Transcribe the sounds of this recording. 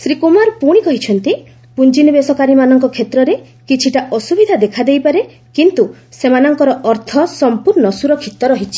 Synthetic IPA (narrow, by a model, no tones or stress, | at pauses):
sɾikumaɾpuɽ̃ikɔɦit͡ʃʰɔnt̪i | pund͡ʒinibesɔkaɾimanɔŋkɔkʰet̪ɾɔɾe | kit͡ʃʰiʈaʔɔsubid̪ʱad̪ekʰad̪ejpaɾe | kint̪usemanɔŋkɔɾɔʔɔɾt̪ʰɔsɔmpuɾnɔsuɾɔkʰit̪ɔɾɔɦit͡ʃʰi̥